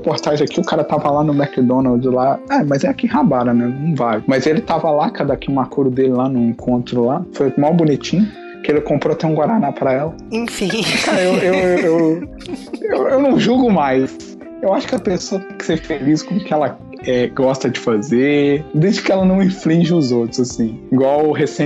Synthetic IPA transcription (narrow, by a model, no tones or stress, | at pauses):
epoɾt̪aʒẽakiʊkaɾɐt̪avɐlanʊmɛkd̪õnawd̪laɛmɐzɛakiɦabaɾɐnɛnɐ̃w̃valɪmɐzelɪt̪avɐlakad̪akimakuɾʊd̪elɪlanʊẽkʰõnt̪ɾʊlafojmawbunit͡ʃĩɲʊ | kɪelɪkõmpɾoɐt̪ẽj̃ũɡwaɾanapɾɐɛlɐẽfĩkaɾɐewewew | ewewnɐ̃w̃ʒuɡʊmajs | ewaʃʊ̥kɪɐpesoɐkɪ̥sefeliskõmʊkɪɛlɐ | ɛɡɔst̪ɐd͡ʒɪfazed̪ezd͡ʒɪkɪɛlɐnɐ̃w̃ĩflĩʒɪʊzowt̪ɾʊzasĩiɡwawɦesẽ